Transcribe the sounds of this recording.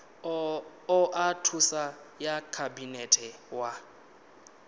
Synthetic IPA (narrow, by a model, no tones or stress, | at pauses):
ʊʔatʰusajakʰabinɛtʼʰɛwa